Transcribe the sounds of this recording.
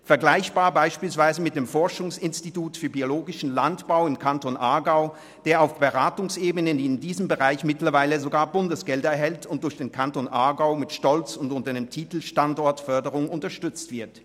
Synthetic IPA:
fɛɐɡlaɪçb̥aːɐbaɪʃpiːlsv̥aɪzəmɪt̚d̥eːmfɔɐʃʊŋsɪnstituːtfyːɐbioloːɡɪʃn̩lantb̥aʊɪmkʰantonʔaɐɡaʊ | d̥eːɐaʊfb̥əʁaːtʊŋsʔeːbənədiːɪndiːzəmbəʁaɪçmɪtlɐvaɪləzoɡaːɐbʊndəsɡ̥ɛldɐɛɐɦɛltʰʊnt̚d̥ʊɐçd̥eːnkʰantonʔaɐɡaʊmɪtʃtɔlt͡sʊntʊntɐdeːmtʰiːtl̩ʃtandɔɐtfœɐdəʁʊŋʊntɐʃtʏt͡stv̥ɪɐt

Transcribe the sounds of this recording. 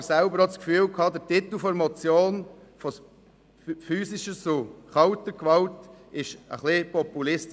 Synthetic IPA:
sæʊbəɾɔt͡skfyːlkʰɑd̪əɾtit̪l̩fɔɾmɔt͡sjoːnfɔ | fyːsɪʃət͡sʊχɑʊtəkʋɑltɪʃə̰χlɪpɔpulɪst

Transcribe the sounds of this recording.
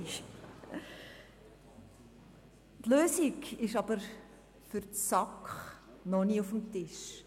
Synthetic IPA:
ʃ | t̪løːsiɡɪʃɑbəɾ | fʏɾtsɑkχ | nɔniːufəm̩tɪʃ

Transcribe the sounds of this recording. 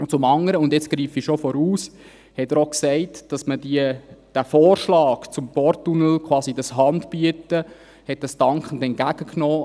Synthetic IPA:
t͡sʊmɑŋəɾəʊndjɛt͡skɾiːfiʃɔfɔɾuːs | hɛtəɾoksɛɪtd̥ɑsməd̥iəd̥æfoːrʃlɑːkt͡sʊmpɔɾtːunəlkʰwɑːsidɑshɑndbyətə | hɛt̚d̥ɑsd̥ɑŋkχən̩dɛnt̚ɡ̥æɡ̥əknɔː

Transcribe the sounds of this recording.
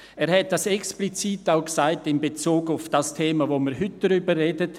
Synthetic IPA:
eːɾɦɛt̚d̥asɛksplit͡siːtaʊksaɪtɪmbet͡suːɡʊfd̥ɑstʰeːmavoməɾɦʏt̚d̥aɾybərːeːdət

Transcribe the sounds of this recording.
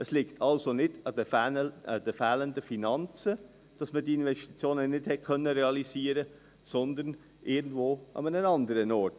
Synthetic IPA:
ʔəslɪktʰɑlsonɪd̥ɑd̥əɑd̥əfɛːləndəfinɑnt͡sə | d̥ɑsməd̥iɪnʋɛʃti̥t͡sjoːnənɪdhɛt̚kʰœnːəɾɛɑliziːəɾə | sɔnd̪ərn | ʔɪːɡn̩dvoːʔɑ̰mənənɑndəɾənɔːɾt

